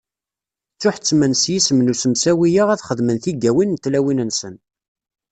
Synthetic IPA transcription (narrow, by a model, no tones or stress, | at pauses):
t͡sːʊħt͡sːmənsjisəmnusəmsæwijəʁæθχəðmənθiɡːæwinːt̪ːlæwinənsən